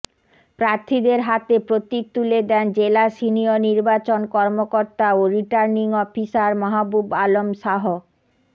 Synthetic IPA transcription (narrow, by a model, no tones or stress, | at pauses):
pɾaɾt̪ʰid̪eɾɦat̪epɾot̪ik̚t̪uled̪ɛnd͡ʑelaʃinioniɾbat͡ɕonkɔɾmokoɾt̪aoɾiʈaɾniŋɔfisaɾmɔɦabubalomʃaɦo